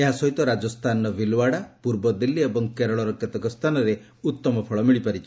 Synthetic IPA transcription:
eɦasɔɦit̪ɔɾad͡ʒɔst̪ʰanɔbilwaɽapuɾbɔd̪ilːiebɔŋkeɾɔɭɔɾɔket̪ɔkɔst̪ʰanɔɾe | ut̪ːɔmɔpʰɔɭɔmiɭipaɾit͡ʃʰi̥

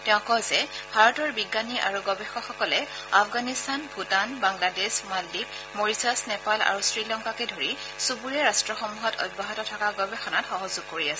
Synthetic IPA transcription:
tɛʊ̃kɔzɛbʱaɹɔtɔɹbiɡːaniʔa̰ɹuɡɔbɛxɔxɔkɔlɛ | afʰɡanistanbʱutanbaŋladesmaldik | moɹisasnɛpala̰ɹusɹilɔŋkakɛdʱoɹi | subuɹiɛɹastɹɔxɔmuɦɔtɔ̰d̚baɦɔtɔtʰakaɡɔbɛxɔnatxɔɦɔzuɡ̚koɹiasɛ

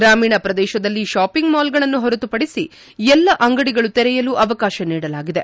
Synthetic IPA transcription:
ɡɾaːmiːɳɐpɾɐd̪ɛːʃɐd̪ɐlːiʃaːpiŋɡmaːlɡɐɭɐnːuɦɔɾɐt̪upɐɽisi | ɛlːɐʔɐŋɡɐɽiɡɐɭut̪ɛɾɛjɐluːʔɐʋɐkaːʃɐniːɽɐlaːɡid̪e̞

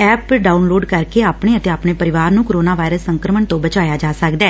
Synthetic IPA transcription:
ɛːpɖaːʊnloːɖkəɾkeaːpɳeːət̪eːaːpɳeːpəɾɪʋaːɾnũːkoɾoːnaːʋaːɪɾəsːəŋkɾəməɳt̪õːbət͡ʃaːjaːd͡ʒaːsəkd̪ɛː

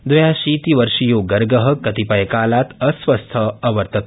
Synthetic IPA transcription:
d̪ʋɐjaɕiːt̪iʋəɾʂijoːɡɐɾɡəɦəkɐt̪ipɐjkaːlat̪əsʋəst̪ʰəɐʋəɾt̪ət̪̚

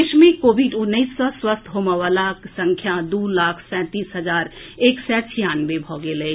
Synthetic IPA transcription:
ʃmẽkoːʋiɖʊnːəiːsːɔswəst̪ʰɦoməʋəlaksə̃ŋkʰjad̪uːlaːkʰsɛ̃ːt̪iːsɦəzaːɾeːksɛt͡ʃʰijaːnʋebʱɔːɡeleː

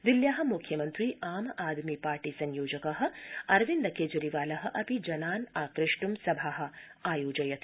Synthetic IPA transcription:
d̪iljaːɦɐ̆mukʰjɐmɐnt̪ɾiːaːmaːd̪mipaːɾʈiːsɐnjoːd͡ʒɐkɐɦɐ̆ɐɾʋind̪ɐkeːd͡ʒɐɾiʋaːlɐɦɐ̆ʔɐpid͡ʒɐnaːnaːkɾɪʂʈumsɐbʱaːɦɐ̆aːjoːd͡ʒɐjɐt̪ʰ

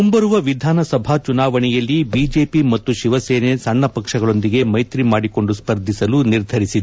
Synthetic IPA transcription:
umbɐɾuʋɐʋid̪ʱaːnɐsɐbʱaːt͡ʃunaːʋɐɳɛjɐlːibiːd͡ʒe̞ːpimɐt̪ːuʃiʋɐseːnesɐɳːɐpɐkʂɐɡɐɭo̞nd̪iɡe̞mɐjt̪ɾimaːɽiko̞ɳɖuspɐɾd̪ʱisɐluniɾd̪ʱɐɾisid̪

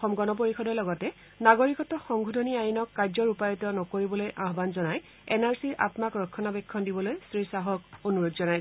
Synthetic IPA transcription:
ɔxɔmɡɔnɔp̬oɹixɔdɛlɔɡɔtɛ | naɡoɹikɔtɔxɔŋɡʱudʱɔniajinɔkːaɹzɔɹupajɔtɔnɔkoɹibɔlojʔaɦbanzɔnaj | ɛnaɹsiɹʔa̰tmakɹɔkʰːɔnabɛkʰːɔndibɔlojstɹisaɦɔkonuɹodzɔnaj

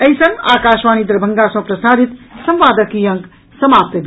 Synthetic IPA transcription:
ɐjsə̃ŋaːkaːʃʋaːnid̪ɾbʱəŋɡasʌ̃pɾəsaːɾit̪sɐmʋaːd̪əkijɐ̃ŋk | səmap̚t̪əd̪

